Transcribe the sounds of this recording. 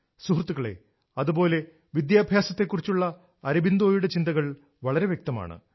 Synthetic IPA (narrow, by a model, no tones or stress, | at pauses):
suɦrt̪ːuɣɐɭḛ | ɐðubo̞ːle̞ | ʋid̪jaːbʱjaːsɐt̪ːe̞kːurit͡ɕːuɭːɐ | ɐɾɐbind̪o̞ːjuɽe̞t͡ɕind̪ɐɣɐɭ | ʋɐɭɐɾe̞ʋjek̚t̪ɐma̰ːɳɨ̰